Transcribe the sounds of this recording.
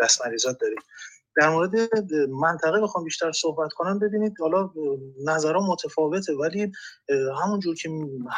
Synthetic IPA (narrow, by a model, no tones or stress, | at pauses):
æsmæɾiːzɒːt̪̚d̪ɒːɾid̪d̪̥æɾmoːɾe̞d̪e̞mænt̪ʰæɣe̞bexɒːmbiːʃt̪ʰæɾsohbæt̪kʰo̞næmbe̞biːniːd̪hɒlɒnæzæɾɒːmot̪ʰefɒːve̞t̪ʰe̞væliːɦæmund͡ʒuːɾcʰeh